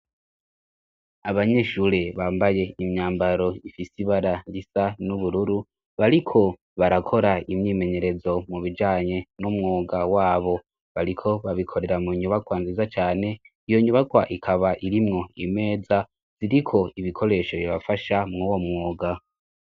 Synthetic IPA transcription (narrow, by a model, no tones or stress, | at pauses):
aβaɲe̞ʃuːɾeβaːmbaje̞imɲaːmbaɾo̞ifisiβaɾandisanuβuɾuɾu | βaɾikʰo̞ | βaɾakʰo̞ɾaimɲiːme̞ɲe̞ɾe̞zo̞muβid͡ʒaːɲe̞numŋoːɡawaːβo̞ | βaɾikʰo̞βaβikʰo̞ɾe̞ɾamuɲuβaɡwanzizat͡ʃaːne̞ | ijo̞ɲuβaɡwaʔikʰaβaʔiɾimŋo̞ime̞ːd͡za | z̥iɾikʰo̞iβikʰo̞ɾe̞ʃo̞βiβafaʃamŋuwomŋoːɡa